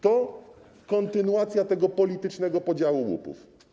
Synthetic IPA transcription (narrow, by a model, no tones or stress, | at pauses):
t̪ɔ | kɔnt̪ɘnuwat̪sʲjat̪ɛɡɔpɔlʲit̪ɘt͡ʂnɛɡɔpɔd͡ʑawuwṵpṵf